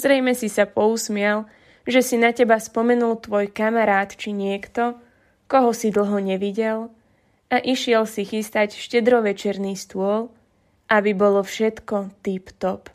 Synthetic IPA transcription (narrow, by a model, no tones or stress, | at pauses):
zɾɛjmɛsisapɔusmɪɛl | ʒɛsinacɛbaspɔmɛnult̪ʋɔjkamaɾaːt̪t͡ʃiɲɪɛkt̪ɔ | kɔɦɔsid̪l̩ˠɦɔɲɛʋiɟɛl | aʔiʃɪɛlsixist̪acʃcɛd̪ɾɔʋɛt͡ʃɛɾniːst̪ʊɔl | ʔabibɔlɔfʃɛt̪kɔt̪ipt̪ɔp